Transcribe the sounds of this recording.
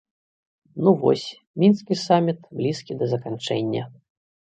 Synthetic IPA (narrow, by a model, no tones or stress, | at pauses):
nuvɔ̰sʲ | mʲinskʲisamʲit̪blʲiskʲid̪ɐzɐkant͡ʂɛ̰nʲːɐ̰